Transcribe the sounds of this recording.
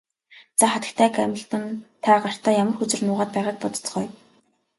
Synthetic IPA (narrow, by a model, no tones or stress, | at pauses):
t͡saχat̪ə̥̆kt̪ʰæːkæmʲə̆ɬt̪ə̆nt̪ʰaːɢar̥t̪aːjamə̆rxɵt͡sɵ̆rnʊːʁaːt̪̚pæːʁaːk̚pɔt̪ɞ̥̆t͡s̆χœːj